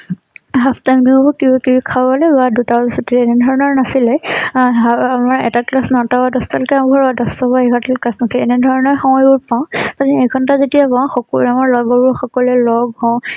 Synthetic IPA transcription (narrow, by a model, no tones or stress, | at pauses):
ɦapʰtajmbibɔkibakibikʰabɔlɛbadutasɔtiɛnɛdʱɔɹɔnɔɹnasilɛɦaamaɹɛtaklasnɔtabadɔstɔlkɛãɡʱɔɹadɔstɔbaekʰɔntalklasnasilɛnɛdʱɔɹɔnɔɹxɔmɔjbʊɹpaʊ̃tadɛekʰɔntazetijapaʊ̃xɔkɔamaɹlɔɡɔbɔɹxɔkɔlɛlɔɡɦɔ